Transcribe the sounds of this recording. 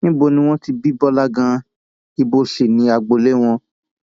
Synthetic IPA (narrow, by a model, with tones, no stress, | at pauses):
nĩ˦bo˧˨nĩ˧w̃ɔ̃˦ti˧bi˦bɔ˦la˦ɡã˧ | i˧bo˧ʃe˨nĩ˧a˨ɡ͡bo˨le˦w̃ɔ̃˧